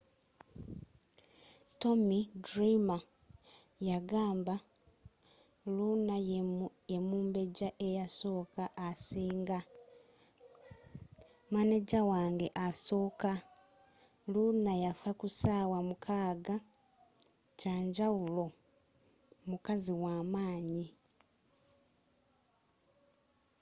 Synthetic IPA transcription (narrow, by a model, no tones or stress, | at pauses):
to̞midɾima | jaɡaːmba | luna | emuːmbe̞ɟaʔejaso̞ːkaʔːsiːŋɡa | maneɟawaːŋɡe̞ʔaso̞ːka | lunajafakusaːwamukʰaːɡa | caːɲɟawulo̞ | mukaziwaːmaːɲi